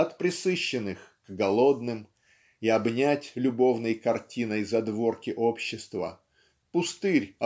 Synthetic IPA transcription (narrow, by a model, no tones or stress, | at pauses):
ɐt̪pɾʲɪsɨɕːɪnɨxɡɡɐlˠo̞d̪nɨm | iɐbnʲætʲlʲʊbo̞vnəjkɐrtʲinəjzɐd̪vo̞rkʲɪʔopɕːɪst̪və̰ | pʊst̪ɨɾʲɐ